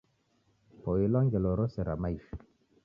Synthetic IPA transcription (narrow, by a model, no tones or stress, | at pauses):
poilɔŋɡɛlɔɾɔsɛɾa̰maif